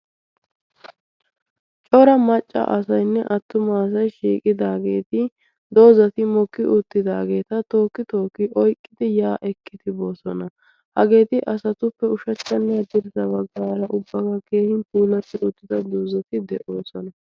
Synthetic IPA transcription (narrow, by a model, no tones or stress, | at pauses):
t͡ʃʼɔɾɐmɐt͡ʃʼːɐ̰ʔɐsɐjnːɛʔɐt̪ːʊmas̬ɐjʃiːkʼɪd̪aːɡe̞̰ːt̪ɪ | d̪o̞ːzɐt̪ɪmɔkːɪʔʊt̪ːɪd̪aːɡe̞ːt̪ɐt̪o̞ːkːɪt̪o̞ːkːɪʔɔjkʼːɪd̪ɪjaːʔɛkːɪd̪ɪbo̞ːsɔnɐ | hɐɡe̞ːt̪ɪʔɐsɐt̪ʊpːɛʊʃɐt͡ʃːɐnːɛɐd̪ɪɾɪzɐbɐɡːaːɾɐʔʊbːɐkɐke̞ːhɪnpuːlɐt̪ːɪʊt̪ːɪd̪ɐd̪o̞ːzɐt̪ɪd̪ɛʔo̞ːsɔnɐ